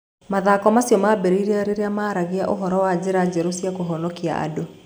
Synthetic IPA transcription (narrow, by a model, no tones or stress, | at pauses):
maðaːkɔmasjɔmabɛɾiɾeaɾeɾeamaːɾaɣeaʔoɦɔɾɔwad͡ʑeɾad͡ʑɛɾosiakoɦɔnɔkia̰ʔa̰do